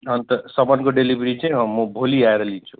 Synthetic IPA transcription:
ɦʌnt̪əsʌbənkoɖelibɾit͡sãɦʌːubʱoliaeɾʌlit͡ʃʰu̥

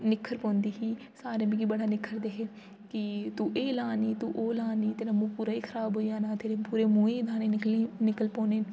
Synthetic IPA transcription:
nɪkʰːəɾpõːnd̪iːɦiː | saːɾẽːbiːɡiːbəɽaːnɪkʰːəɾd̪eːɦeː | kɪt̪ũːʔeːlaːniːt̪uːʔoːlaːniːt̪eːnãːmũːpuːɾaːiːkʰəɾaːbɦoːiãːnãːt̪ʰeːɾeːpuːɾeːmũːeːd̪ʱaːneːkinɪkəlpõːneː

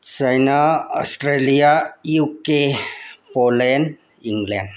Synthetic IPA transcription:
t͡ʃajnaɔ̰stɾeliajukepolɛn | iŋɡlɛn

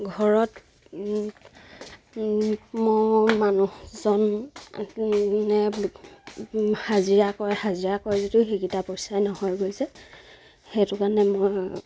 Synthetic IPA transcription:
ɡʱɔɹɔt | mɔmanuzɔn | nɛ | haziɹakɔjhaziɹakɔɹzitixikitapɔjsajnɔhɔjɡojsɛ | xetʊkanɛmoj

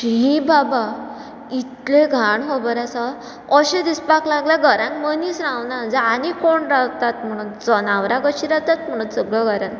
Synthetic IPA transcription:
ɦibaba | it̪leɡʱaɳɦobəɾasa | ɔɕẽd̪ispaklaɡlaɡʱəɾãŋkmənisɾãwnad͡zaːnikoɳɾawt̪at̪m̤əɽ̃unt͡sɔnaʋɾaɡəɕiɾawt̪at̪̚m̤əɽ̃unt͡səɡɭɔɡʱəɾãn

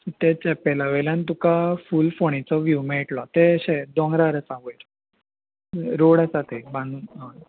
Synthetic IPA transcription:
t̪ɛt͡ɕɛpɛlaʋeljãnt̪ukafulfoɳ̃it͡sɔʋjumeʈlɔt̪eəɕed̪ɔ̃ŋɡɾaɾət͡saʋojɾ | ɾoɽat͡sat̪ʰebãnu

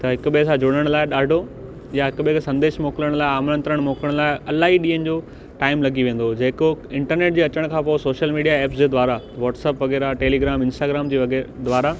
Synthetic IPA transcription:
t̪ɐɦɪkʊɓsãd͡ʑʊɽ̃əɽ̃laːɪɗaːɖʱo | jaɦɪkʊɓɦɪksɐ̃nd̪eːʃmoːkləɽ̃laːɪaːmɾə̃nt̪ɾəɽ̃moːkəɽ̃laːɪɐlaːɦiɗĩːənɪ̆d͡ʑoː | ʈaːɪmlɐɡiʋẽːn̆d̪od͡ʑeːkoɪ̃ɳʈəɾneːʈ̚d͡ʑiːɐt͡ɕəɽ̃kʰãːpoːsoːʃəlmiːɖijaeːpsd͡ʑeːd̪ʋaːɾa | ʋɔːʈsəːpʋɐɡeːɾaʈeːliɡɾaːmɪ̃nsʈaːɡɾaːmd͡ʑiːʋɐɡed̪ʋaːɾa

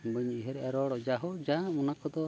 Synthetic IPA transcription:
bəɲiɦɛɾɛʔaɾɔɽɔʔd͡ʒaɦɔd͡ʒãmɔnakɔd̪ɔ

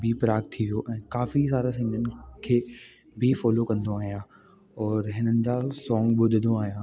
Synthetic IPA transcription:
bipɾaːkt̪ʰːiʋijoʔɛ̃ːkaːfis̬aːɾasĩːŋənɪ̆kʰeː | bɪfɔːlokɐ̃nd̪oaːɦijãː | ɔːɾɦɪnənɪ̆d͡ʑaːsɔ̃ːŋɡɓʊd̪ʱɪd̪oaːɦijãː

